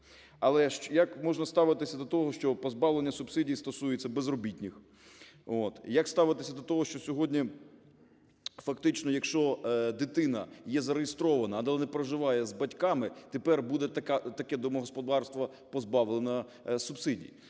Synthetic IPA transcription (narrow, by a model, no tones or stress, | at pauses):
ɐlˠɛʃt͡ʃjɐkmɔʒnɐst̪ɑʋɪt̪ɪsʲɐd̪ɔt̪ɔɦɔʃt͡ʃɔpɔzbɑʋlˠenʲːɐsʊbsɪdʲijist̪ɔsujet͡sʲːɐbezrɔbʲitʲnʲɪx | ot̪jɐkst̪ɑʋɪt̪ɪsʲɐd̪ɔt̪ɔɦɔʃt͡ʃɔsʲɔɦɔdʲnʲi | fɐkt̪ɪt͡ʃnɔjɐkʃt͡ʃɔd̪ɪt̪ɪnɐjɛzɐɾejɪst̪ɾɔʋɐnɐːd̪ɐlˠnɛpɾɐʒɪʋɑjɛzbɐtʲkɑmɪt̪epɛrbud̪ɛt̪ɐkat̪ɐkɛd̪ɔmɔɦɔspɔd̪ɑrst̪ʋɐ | pɔzbɑʋlˠenɐ | subsɪdʲḭj